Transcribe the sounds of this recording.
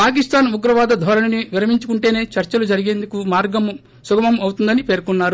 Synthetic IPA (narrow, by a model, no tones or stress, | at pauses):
paːk̬ist̪aːnuɡɾɐʋaːd̪ɐd̪ʱʋɐɾɐnɐniʋiɾɐmiɲt͡ʃukuɳʈe̞ːne̞ːt͡ʃɐɾt͡ʃɐlud͡ʒɐɾiɡeːnd̪ukumaːɾɡɐm | suɡɐmɐmɐwt̪und̪ɐnipe̞ːɾkunːaːɾu